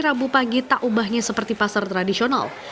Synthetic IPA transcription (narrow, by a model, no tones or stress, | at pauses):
ɾabupaŋɡit̪aʔubahɲasəpərt̪ipasart̪ɾadisiona̰l